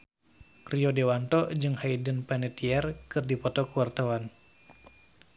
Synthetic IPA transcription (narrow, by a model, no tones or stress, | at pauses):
riɔdɛwant̪ɔd͡ʒɨŋhaidənpanɛt̪iɛrkɨrdipɔt̪ɔkuwart̪awan